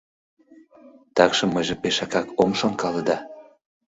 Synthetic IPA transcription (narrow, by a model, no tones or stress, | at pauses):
t̪ɑkʃɤ̆mːəjʒepeʃɑkɑkomʃonkɑlɤ̆d̪ɑ